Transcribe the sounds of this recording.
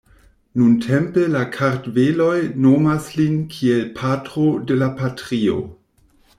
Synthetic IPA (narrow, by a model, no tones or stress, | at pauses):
nuntʰe̞mpelakʰaɾtvelo̞jno̞maslinkʰielpʰatʁo̞de̞lapatʁio̞̰